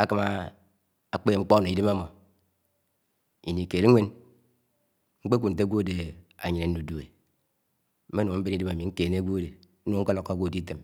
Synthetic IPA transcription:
a˦ka˨ma˦ | a˨k͡pe˦e˨ŋ͡m̩˦k͡po˦˨no˨i˦de˦ma˦mo˨ | i˨ni˨ke˨ɾe˦ŋʷe˦n | ŋ͡m̩˦k͡pe˦kʷu˨n̩˨t̬e˦ɡʷo˦˨de˨a̰˨ɲi˨ne˨n̩˦u˨du˨e˨ | m̩˦me˦no˨m̩˦be˦ni˦de˦ma˨mi˨ŋ̩˦ke˨ne˦ɡʷo˦˨de˨n̩˦nu˦˨˦ŋ̩˦ka˦lo˨kːa˦ɡʷo˦˨di˦t̬e˨m

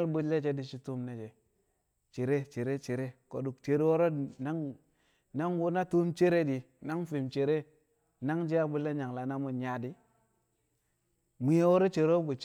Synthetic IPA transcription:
lbu˦le˦t͡ʃe˦di˦t͡ʃi˦tu˦mne˨t͡ʃe˨ | t͡ʃe˨ɾe˦t͡ʃe˨ɾe˦t͡ʃe˨ɾe˦ko˨du˨kt͡ʃe˨ɾwo˦ɾo˦na˦ŋ | na˦ŋwo˦na˦tu˦mt͡ʃe˦ɾe˦di˨ | na˦ŋfi˨mt͡ʃe˨ɾe˦ | na˦ŋd͡ʒi˦a˦bu˦lːe˦ɲa˨ŋla˨na˦mu˦nɲa˦di˦ | mi˨je˦wo˦ɾo˦t͡ʃe˨ɾo˦bu˨t͡ʃ

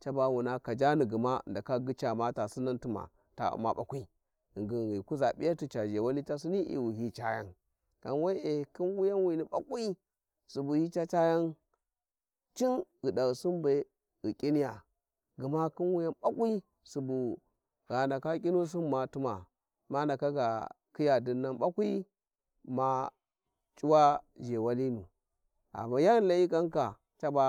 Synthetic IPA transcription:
t͡ʃa˦ba˦wu˨na˨ka˨d͡ʒa˦ni˨ɡi˨ma˦˨nda˨ka˦ɡi˦t͡ʃa˨ma˦ta˨si˦na˦ntu˦ma̰˨ | ta̰˨ṵ˨ma̰˨ɓa̰˨kʷi˦˨ | ŋɡi˨ɣi˨ku˦za˨ɓḭ˦ja˦ti˨t͡ʃa˨d͡ʒe˨wa˦li˦t͡ʃa˦si˦ni˦ʔḭ˨wu˨ɦi˦t͡ʃa˦ja̰˦n | ka˨nwa˦e˨ki˦nwu˦ja˦nwi˨ni˨ɓa̰˦kʼi˦ | su˨bu˨hi˦t͡ʃa˦t͡ʃa˦ja˦n | t͡ʃi˦nɣi˨da˨ɣi˨su˦nbe˨ | ɣi˨kʲʼi˦ni˦ja˨ | ɡu˨ma˦ki˦nwu˦ja˦nɓa˦kʷi˦ | su˨bu˨ | ɣa˨nda˨ka˦k̬ʲʼi˦nu˦s̬u˦n˦ma˨tu˦ma̰˨ | ma˦nda˨ka˦ɡa̰˨ | ki˦ja˨di˨nːa˨nɓa˦kʷi˦ | ma˨ | t͡ʃʼu˦wa˦d͡ʒe˨wa˦li˦nṵ˨ | a̰˨ma˨ja˦˨la˨i˦ka˦nka˨ | t͡ʃa˦ba˦

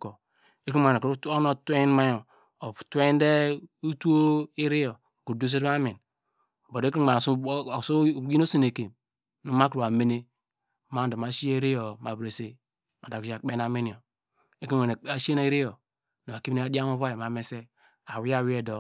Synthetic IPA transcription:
ko˨ | e˦ki˦ma˨n˨ko˦no˦˨tʷe˦n˦ma˦jo˨ | tʷe˦n˦de˦u˦tu˦o˦i˦ɾi˦jo˨ɡu˨du˦s̬e˦ɾa˦mi˨n˨ | bo˨de˦ki˦a˨n˨sso˦ɡi˦no˦se˦ne˨ke˨m | nu˨ma˦kɾa˨me˦ne˦ | ma˦˨do˨ma˨ʃi˦e˦ɾi˦jo˨ma˨bɾe˨se˦ | a˨da˨ki˨d͡ʒa˨k͡pe˦na˨mi˦ni˨o˨ | e˦ki˦a˨n˨a˨ʃe˦na˦i˦ɾi˦jo˨ | n˨a˨ki˦m˦ne˦a˦di˦a˦mo˦βa˦je˨ma˨me˨se˦ | a˨wi˦a˦˨wi˦e˦˨do˨

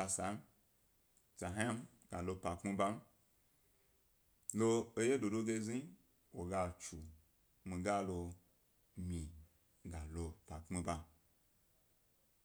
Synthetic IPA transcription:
a˧sa˨˦m˦ | t͡ʃa˨ɦã˦a˦m | ɡa˨lo˧pa˨kmi˧ba˦m̩˦ | lo˧o˧je˦do˨do˦ɡe˧zi˦ | wo˨ɡa˧t͡ʃu˨ | mĩ˧ɡa˦lo˧ | mĩ˨ | ɡa˨lo˧pa˨kmi˧ba˧

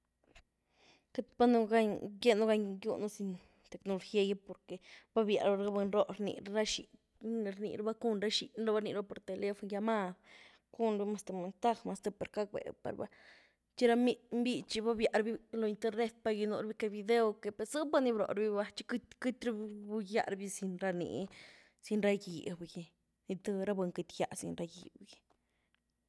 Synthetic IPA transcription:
ke˦t̪ba˦nu˧ɡa˧ɲɡe˦nu˦ɡa˧ɲɡṵ˧nu˦si˧n | t̪e˨knu˧ɾxje˧ja˦po˧ɾke˨ba˦bja̰˨ʔɾɾɡa˦be˧nɾo˦ʔɾnḭ˨ɾɾa˦ʃḭ˨ | ɾnḭ˨ɾa˦ba˦ku˦nɾa˦ʃḭ˨nɾa˦ba˧ɾnḭ˧ɾba˦po˨ɾt̪e˨le˦fo˧nja˧ma˦˧ | ku˦nɾi˧ma˧st̪e˨me˨nt̪a˧xma˧st̪e˧pe˨ɾka˦k̚bḛ˨pa̰˨ɾba̰˧ | t͡ʃi˦ɾa˧mi˧mbi˦˧t͡ʃi˧ba˦bja˧ʔɾbi˦lo˧i˧nt̪e˧ɾne˦t̪̚pa˧ji˧nṵ˧ɾbi˦ke˧bi˧d̪e˦o˧ke˧pe˧sɨ˦ba˦ni˧bɾo̰˨ɾbi˦ba˧t͡ʃi̥˧˦kkɨ˦t̪ɾa˦bbu˧ja̰˧ɾbi˧si˧nɾa˧nḭ˨ | si˧nɾa˧ji˨bji˧ | ni˧t̪ɨ˧ɾa˦be˧ŋkɨ˧t̪ja̰˧sḭ˧nɾa˧jḭ˨bji˧

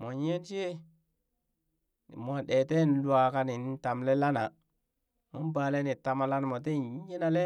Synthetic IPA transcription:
mo˨ɲe˦n˦t͡ʃe˦˨ | mʷ˨a˨ɗe˨te˦n˦lwa˨ka˦ni˨n˦ta˨mle˦la˦na˨ | mo˦m˦baː˨le˦ni˨ta˨ma˨la˦nmo˨t̬e˦ɲe˦na˨le˦

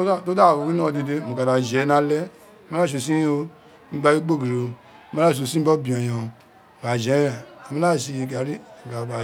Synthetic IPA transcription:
to˦da˦˨wo˨˧ki˦nã˦˨de˧de˧˦mo˨ka˨da˨d͡ʒɛ˨˦nã˧˦lɛ˦ | mã˦la˦˨ʃ̬o˨˧˨sĩ˦o˧˦ | mĩ˦ba˧˦ji˦ɡ͡bo˦˨ɡi˨ɾo˧˦ | mã˦la˦˨ʃ̬o˨˧˨sĩ˦bɔ˦bĩ˨ɔ̃˨j̃ã˨ | ba˨d͡ʒɛ˨˦a˨a˨mĩ˦la˦˨ʃi˧ɡa˨ɾi˦˨ɡa˨ba˨

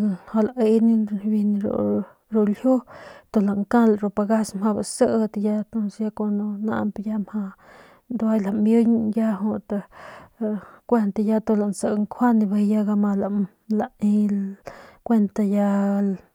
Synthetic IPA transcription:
ho˧la˨ʔe˧ni˦bi˧n˧ɾo̰˨ | ɾo˧lhjo˦t̪o˧˨la˨ŋkã˦lɾo˧pa˧ɡa˦smha˧ba˨sə˦ʔt̪ja˦t̪o˦nsja˦ko˧no˧na̰˧ʔmpja˦mha˧ | nd̪wa˦jla˨mbju˦ɲja˦ɦo˧t̪a˧ | kʷe˦˧nt̪a˧ja˦t̪o˧la˨nsə˧ŋkʰwa˦ni˧be˧ja˦ɡa˧ma˧la˨ | la˨i˧ | kʷe˦nt̪a˧ja˧

